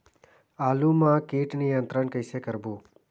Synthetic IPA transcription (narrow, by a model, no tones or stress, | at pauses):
aːlumãkiːʈnijənt̪ɾənkəjsekəɾbũː